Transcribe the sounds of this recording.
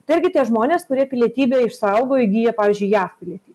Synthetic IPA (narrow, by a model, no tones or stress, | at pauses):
t̪ɐɪɪɾʲɡʲɪt̪ʲiɛʒmoːnʲeːskʊɾʲiɛpʲɪlʲiɛt̪ʲiːbʲeːɪʃsɐʊɡoːɪɡʲiːjɛpɑːʋʲiːzʲd͡ʒʊɪjæːfpʲɪlʲiɛt̪ʲiː